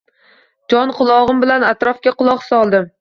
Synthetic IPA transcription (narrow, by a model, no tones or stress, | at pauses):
d͡ʒɒnqʰʊlˠɒʁɨmbɪlanat̪ɾɒfkʲaqʊlˠɒqsɒlˠd̪ɪm